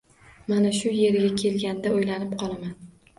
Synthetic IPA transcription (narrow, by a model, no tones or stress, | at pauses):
manaʃʊje̞ɾɡʲakʲʰe̞lɡʲand̪aojlanɪpqʰɒlˠaman